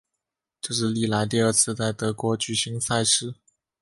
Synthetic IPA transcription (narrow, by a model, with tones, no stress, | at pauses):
ʈ͡ʂɤ˥˧ʂɻ̩˥˧li˥˩la˧˥ɪt̪i˥˧ə˞˥˧t͡sʰɹ̩˥˧t͡sa˥˩ɪt̪ɤ˧˥kwɔ˧˥t͡ɕy˨˩ɕi˧˥ŋsa˥˧ɪʂɻ̩˥